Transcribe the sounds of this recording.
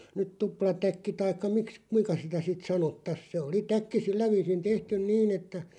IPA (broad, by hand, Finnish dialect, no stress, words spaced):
nyt tuplɑtækːi tɑikːɑ miks kuiŋkɑ sitæ sit sɑnotːɑs se oli tækːi silːæ ʋiːsin tehtyn niːn etːæ